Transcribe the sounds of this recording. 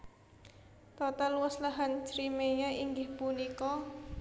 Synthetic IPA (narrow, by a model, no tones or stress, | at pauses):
t̪ɔt̪alwəslaɦant͡ʃɾimejaʔiŋɡɪhpunikɔ